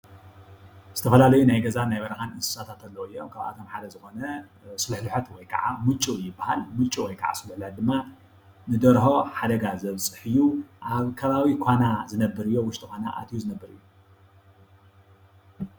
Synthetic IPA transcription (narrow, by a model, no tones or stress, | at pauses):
z̥ɨt̪ʰɐfɐlalɐjunajɡɐzanajβɐɾɐxanɨsɨ̥sat̪ʰat̪ʰɐlːɐɨjːo̞mkʰaβʔa̰t̪ʰo̞mħad̪ɐzɨxo̞nɐ | sɨlħlɨħɐt̪wɔjkʰɐ̰ʕa̰mɨt͡ʃʼːujɪbːahalmɨt͡ʃʼːuwɔjkʰa̰ʕa̰sɨlħlħat̪̚d̪ɨmːa | nɨd̪ɐɾho̞ħad̪ɐɡazɐβt͡sʼɨħɨjuʔaβkʰɐβaβikʷʰanazɨnɐbːɨɾɨjːo̞wʊʃt̪ʼɨkʷana̰ʔa̰t̪ʰijuzɨnɐbːɨɾɨjːu